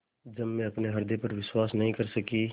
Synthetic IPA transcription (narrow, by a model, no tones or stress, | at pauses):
d͡ʒɐbːẽɐpneɦɐɾd̪epɐɾʋɪswaːsnɐɦĩkɐɾsɐkiː